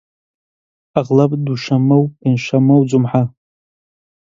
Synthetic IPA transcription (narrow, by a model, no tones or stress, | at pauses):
aʁlapʼduʃamowinʃʷamowd͡ʒumħa